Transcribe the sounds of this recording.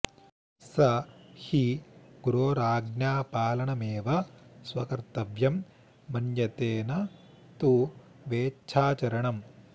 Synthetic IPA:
sɐhiɡ̥uɾoːɾaːɡnjaːpaːlɐɳɐmeːʋɐsʋɐkɐɾt̪ɐʋjɐmː | ɐnjɐt̪eːnɐ | t̪u | ʋeːt͡ʃʰaːt͡ʃɐɾɐɳɐm

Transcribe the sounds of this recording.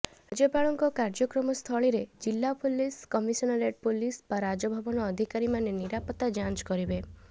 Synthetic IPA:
d͡ʒepaɭɔŋkɔkaɾd͡ʒɔkɾɔmɔst̪ʰɔɭiɾed͡ʒilːapuliskɔmisɔnɔɾeɖ̚pulispaɾad͡ʒɔbʱabɔnɔːd̪ʱikaɾimaneniɾapɔt̪ːad͡ʒãnt͡ʃkɔɾibe

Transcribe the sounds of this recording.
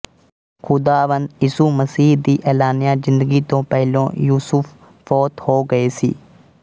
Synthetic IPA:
kʊd̪aːʋənd̪ɪsuːməsiːɦd̪iːʔɛːlaːnɪjaːzɪ̃nd̪əɡiːt̪õːpɛɦlõ̰ːjuːsʊfʰ | fɔːt̪hoːɡəeːsḭː

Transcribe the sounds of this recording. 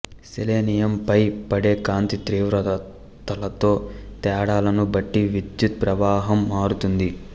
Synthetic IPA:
seleːnijɐmpɐjpɐɽe̞ːkaːnt̪it̪ɾiːʋɾɐ | t̪ɐlɐt̪o̞ːt̪ɛːɽaːlɐnubɐʈːiʋid̪jut̪̚pɾɐʋaːɦɐmːaːɾut̪und̪i

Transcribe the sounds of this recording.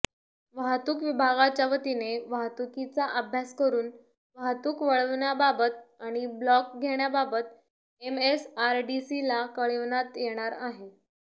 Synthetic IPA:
ʋaɦt̪uːkʋibʱaɡat͡ɕaʋət̪ineʋaɦt̪ukit͡saʔəbʱjaskəɾuːn | ʋaɦt̪uːkʋəɭəʋɳjababət̪aɽ̃iblɔk̚ɡʱeɽjababət̪ | emesaɾɖisilakəɭiʋnat̪jeɽ̃aɾaɦe

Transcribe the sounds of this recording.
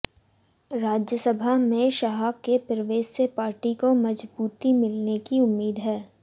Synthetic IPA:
ɾaːd͡ʒjəsəbʱamẽʃaɦakːepɾɪʋeːsepaːɾʈikomɐd͡ʒbuːt̪imɪlnekiʊmːiːd̪ɦɛː

